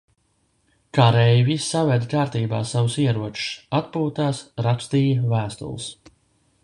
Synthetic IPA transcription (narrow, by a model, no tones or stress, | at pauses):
kaɾɛjvisʲːavɛd̪kaːɾt̪iːba̰ːsavʊsiɛɾuɔt͡ʃu̥sat̪̚puːt̪aːsɾapst̪iːjavæːst̪ṵl̰ˠs